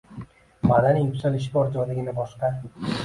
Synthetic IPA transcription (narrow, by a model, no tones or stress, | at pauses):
mad̪anɪpʲsalɪʃ̬kʲɒɾd͡ʒɒjd̪ɪɡʲɪnabɒʃqɑ